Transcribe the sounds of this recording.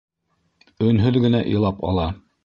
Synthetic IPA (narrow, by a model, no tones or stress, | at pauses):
ɵ̆nɦɵðɡɘ̆næʔḭ̆lˠɑpɑ̰lˠɑ